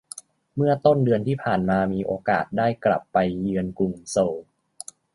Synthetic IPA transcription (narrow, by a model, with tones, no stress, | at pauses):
mɯ˥˩ɐt̪o˥˩ndɯ˧ənt̪ʰiː˥˩pʰaː˨˩nmaː˧miː˧ʔoː˧kaː˨˩t̪̚daː˥˩jkla̰˨˩pːa˧jːɯ˧ənku˧˩ŋso˧w